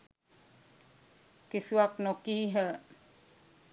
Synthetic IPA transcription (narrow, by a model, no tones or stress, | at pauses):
kisuwaknɔkiːɦə